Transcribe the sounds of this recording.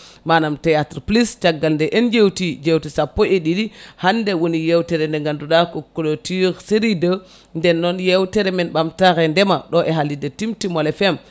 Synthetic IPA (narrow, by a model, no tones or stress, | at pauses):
manamtɛjatɾplist͡ʃaɡːalndɛʔɛnd͡ʒewtid͡ʒewtisapːɔʔeɗidihandɛwonijewtɛɾɛndɛŋɡanduɗakɔkːɔɗotiɾseɾidə | ndɛnːɔnjewtɛɾɛmɛnɓamtaɾɛndɛmaɗɔʔɛɦalidetimtimɔlɛfɛm